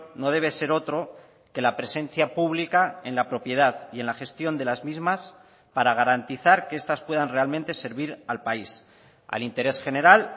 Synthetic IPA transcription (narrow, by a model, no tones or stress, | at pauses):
no̞ð̞e̞β̞e̞se̞ɾo̞t̪ɾo̞ | ke̞lapɾe̞sẽ̞n̟θjapuβlikae̞nlapɾo̞pje̞ð̞aðie̞nlaxe̞st̪jo̞nd̪e̞lazmizmas | paɾaɣ̞aɾant̪iθaɾkee̞st̪aspwe̞ðanre̞almẽnt̪e̞se̞ɾβiɾalpais | a̰lint̪e̞ɾe̞sxe̞ne̞ɾal